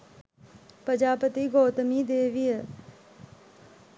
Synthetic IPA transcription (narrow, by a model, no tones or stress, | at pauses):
pəd͡ʒaːpət̪iːɡoːt̪miːd̪eːʋiːɛː